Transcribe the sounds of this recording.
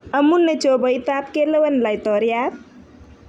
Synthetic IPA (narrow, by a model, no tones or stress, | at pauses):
əmunːet͡ʃobəjt̪apkeləwənlajt̪ɔɾjaɾ